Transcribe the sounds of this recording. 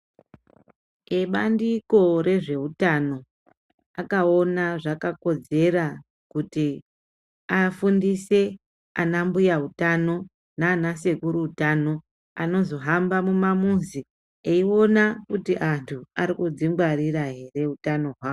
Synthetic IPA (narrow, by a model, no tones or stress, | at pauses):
eɓandiko̞re̞ʐe̞ɦutano̞ | akao̞naʐakako̞d͡ze̞ra | kuti | afundise̞ | anambujaɦutano̞ | naːnase̞kuɾuutano̞ | ano̞zo̞ɦambamumamunzi | eio̞nakutiʔantʰuaɾikud͡zimbwaɾiraɦe̞re̞utano̞ɦwaːwo